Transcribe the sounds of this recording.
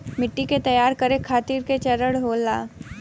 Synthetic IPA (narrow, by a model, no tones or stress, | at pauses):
mɪʈːiket̪ɐjaːɾkɐɾekʰaːt̪iːɾket͡ʃɐɾəɽɦoːlaː